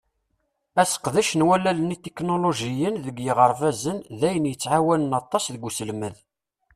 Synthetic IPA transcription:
æsə̥qðæʃənwælːælənit̪eknoloʒijənðəɡjəʁəɾˤfæzənðæjənjət͡sːʕawænənɑt̪ˤːɑsðəɡːusəlməð

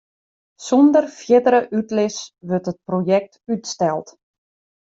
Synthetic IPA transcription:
sɔndərfjɪdəɾəʔytlɪsʋørtət̚projɛk̚tytstɛlˠt

